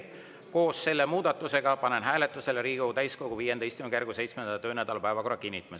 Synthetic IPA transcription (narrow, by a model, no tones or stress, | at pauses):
ko̞ːsːe̞lːemuːd̪̥ɑt̪ːˑuseɡ̥ɑpɑne̞nɦæːle̞t̪ːˑuse̞leɾiːɡut̪æjsko̞ɡ̥uviːjend̪ejst̪kymekerɡ̥use̞jt̪smend̪ɑt̪øːnæd̪̥ɑlpæevɑko̞rːɑkinʲːit̪ːˑɑmes